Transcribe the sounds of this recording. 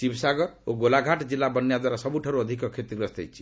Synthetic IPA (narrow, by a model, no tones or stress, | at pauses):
t͡ʃibsaɡɔɾoɡolaɡʱaʈd͡ʒilːabɔnːijad̪waɾasɔbuʈʰaɾuɔd̪ʱikɔkʰet̪iɔst̪ɛ̰jt͡ʃʰi̥